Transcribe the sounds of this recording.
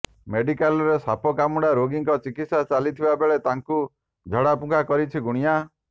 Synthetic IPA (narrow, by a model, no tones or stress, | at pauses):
meɖikalɔɾesapʰɔkamuɽaɾoɡiŋkɔt͡ʃikit̪sat͡ʃalit̪ʰibabeɭet̪aŋku | d͡ʒʱɔɽapũkʰakɔɾit͡ʃʰiɡuɽ̃ija